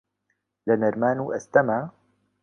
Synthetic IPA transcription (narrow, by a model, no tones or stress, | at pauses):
lɐnɐɾmaːnuːʔɐst̪ɐmaː